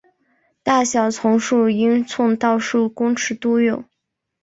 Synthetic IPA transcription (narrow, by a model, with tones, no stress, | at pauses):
t̪a˥˩ɕjɑ˨˩ʊt͡sʰʊ˧˥ŋʂu˥˩i˥nt͡sʰʊ˥˧ŋt̪ɑ˥˧ʊʂu˥˩kʊ˥ŋʈ͡ʂʰɻ̩˧˥t̪u˥jo˨˩˦